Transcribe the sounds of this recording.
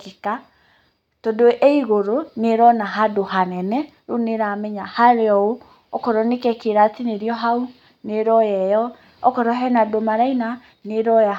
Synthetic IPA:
keka | todoʔeiɣoɾoneɾɔnaɦadohanɛnɛ | ɾoneɾamɛɲahaɾeɔo | ɔkɔɾɔnekɛkeɾateneɾiɔɦau | neɾɔjɛjɔ | ɔkɔɾɔɦɛnadomaɾaina | neɾɔja

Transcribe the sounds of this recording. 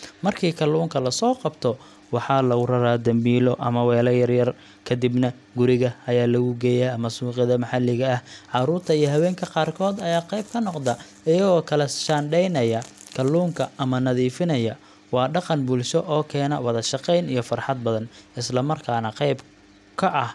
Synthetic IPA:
mɐrkʰiːkʰɐlːuːŋkʰɐlɐsɔːqɑbt̪ʰɔ | wɑħɑlɐɣʊrɐɾaːd̪ɐmbiːlɔʔɐmɐwɛːlɐjɐrjɐr | kʰɐd̪ɪbnɐ | ɡʊɾɪɣɐɐjaːlɐɣʊɡɛːjaːɐmɐsuːqɪðɐmɐħɑlːɪɣɐːhʕɑɾuːrt̪ʰɐijɞɦɐwɛːŋkʰɐqɑːrkʰɔːd̪ɐjaːqɛjb̚kʰɐnɔqd̪ɐ | ɪjɐɣɔːkʰɐlɛʃɐnɖɛjnɐjɐ | kʰɐlːuːŋkʰɐɐmɐnɐðiːfɪnɐjɐ | wɑːɖɑqɑnbʊlʃɔʔɔːkʰɛːnɐwɑðɐʃɑqɛjnijɞfɑrħɑd̪̚bɐðɐnɪslɐmɐrkʰaːnɐqɛjb | kʰɐʔɐh

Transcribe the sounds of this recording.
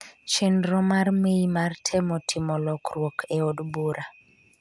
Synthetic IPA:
ʃendɾɔmarmeimartʰɛmɔtʰɪmɔlɔkrwɔkʰɛodboɾa

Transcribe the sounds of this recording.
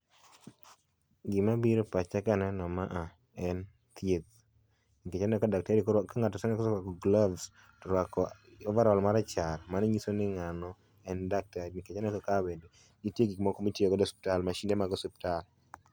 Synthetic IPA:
ɡɪmabiɾpat͡ʃakanɛnɔmaʔa | ɛn | t̪ʰjet̪̚ | niket͡ʃanɛkadak̚taɾikkːaŋatɔsanɛkɔsɔɾwakɔɡlavs | toɾakɔɔvaɾalmaɾat͡ʃarmanɛɲisonɪŋanɔ | ɛndak̚taɾiniket͡ʃanɛkɔkabende | ɡitjeɡikmɔkomitioɡɔdɔspi̥talmaʃindemaɡɔsɛptal

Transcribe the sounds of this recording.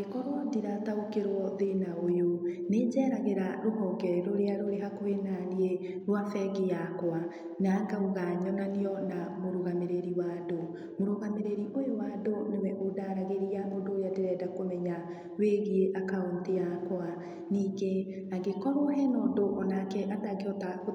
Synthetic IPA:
ekɔɾwɔdiɾataokeɾwɔðenaojoned͡ʑɛɾaɣeɾaɾoɦɔɡɛɾoɾeaɾoɾeɦakoɾenanie | ɾwafɛɡijakwa | naɡaoɣaːɲɔnaniɔnamoɾoɣameɾeɾiwado | moɾoɣameɾeɾiʔojowadonewɛʔodaɾaɣeɾianoːndoːjadeɾɛːdakomɛɲa | weɣieʔakauntijakwa | niːɡe | aɡekɔɾoɦɛnoːndoʔɔnakɛʔataɡeɔta

